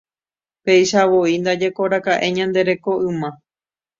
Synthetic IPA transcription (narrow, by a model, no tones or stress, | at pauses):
pe̞jʃaʋoind̪ad͡ʒe̞ko̞ɾakaʔe̞ɲãnd̪e̞ɾe̞ko̞ʔɨ̃mã